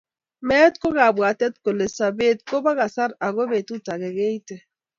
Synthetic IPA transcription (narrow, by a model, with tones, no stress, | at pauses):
mɛ˦tko˦ɣa˨bwa˨tɛ˦tko˨le˨sa˨be˦t̚ko˦ba˦ɣa˨sa˦ɾa˨ɣo˦βe˨tu˦ta˨ɣɛ˨ɣe˦i˦tɛ˨